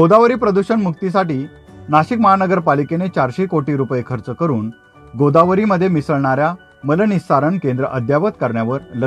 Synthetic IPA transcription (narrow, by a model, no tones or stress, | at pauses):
ɡod̪aʋɾiːpɾəd̪uɕəɳmuk̚t̪is̬aʈiː | naɕikməɦanəɡəɾpalikenet͡ɕaɾɕikoʈiːɾupekʰəɾt͡səkəɾuːn | ɡod̪aʋɾiməd̪ʱːjemisəɭɳaɾja | mələnisaɾəɳkẽnd̪ɾə̰ʔəd̪ʱjaʋət̪kəɾɳjaʋəɾlə